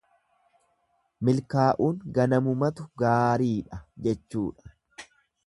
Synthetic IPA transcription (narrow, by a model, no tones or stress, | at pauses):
mɪlkaːʔuːŋɡɐnɐmʊmɐt̪ʊɡaːɾiːᶑɐd͡ʒɛt͡ʃːṵːᶑɐ̥